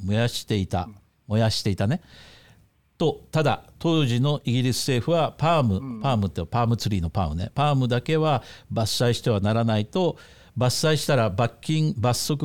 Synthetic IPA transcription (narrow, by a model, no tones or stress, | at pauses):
mojaɕi̥t̪e̞it̪a̰ | mo̞jaɕi̥t̪e̞it̪ane̞ | t̪o̞t̪ad̪at̪o̞ːʑino̞ʔiɡʲiɾʲisɨ̥se̞ːɸɯ̟βapaːmɯ̟paːmɯ̟t̪ːepaːmɯ̟t͡sɨɾʲiːno̞pa̰ːmɯ̟nḛpaːmɯ̟d̪ake̞βabasːaiɕi̥t̪e̞β̞anaɾanait̪o̞ | basːaiɕi̥t̪aɾabakʲːĩŋbasːo̞kɯ